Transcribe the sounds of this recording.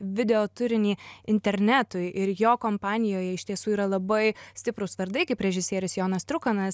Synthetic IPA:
ʋʲɪd̪ʲɛoːt̪ʊɾʲɪnʲiːɪnʲt̪ʲɛɾʲnʲæːt̪ʊɪʔɪɾjoːkoːmpɑːnʲɪjoːjɛɪʃt̪ʲiɛsuːiːɾɐlˠɐbɐɪsʲt̪ʲɪpɾʊsʋɐɾd̪ɐɪkʲɪpʲɾʲɛʒʲɪsʲiɛɾʲʊsjoːnɐst̪ɾʊkɐnɐs

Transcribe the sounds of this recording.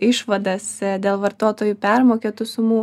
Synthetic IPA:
ɪʃʋɐd̪ɐsd̪ʲeːlˠʋɐɾt̪oːt̪oːjupʲɛrmoːkʲeːt̪ʊsʊmuː

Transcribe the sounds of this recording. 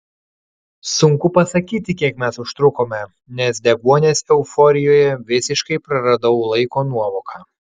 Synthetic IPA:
sʊŋkʊpɐsɐkʲiːt̪ʲɪkʲiɛkmʲɛsʊʃt̪ɾʊkoːmʲɛ | nʲɛsd̪ʲɛɡuɔnʲeːsɛʊfɔɾʲɪjoːjɛʋʲɪsʲɪʃkɐɪpɾɐɾɐd̪ɐʊlˠɐɪkoːnuɔʋoːkʰɑː

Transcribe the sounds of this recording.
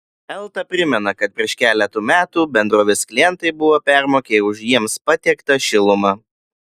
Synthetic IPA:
ɛlˠt̪ɐpʲɾʲɪmʲɛnɐkɐt̪̚pʲɾʲiɛʃkʲæːlʲɛt̪uːmʲæːt̪uːbʲɛnd̪ɾoːʋʲɪsklʲɪjɛnt̪ɐɪbʊʋoːpʲæˑɾmoːkʲeʊʃjiɛmspɐt̪ʲɛkt̪ɐʃʲɪlˠʊmɑ

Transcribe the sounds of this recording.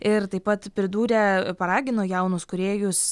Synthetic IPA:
ɪɾt̪ɐɪpɐt̪pʲɾʲɪd̪uːɾʲɛpɐɾɑːɡʲɪnoːjɛʊnʊskʊɾʲeːjʊs

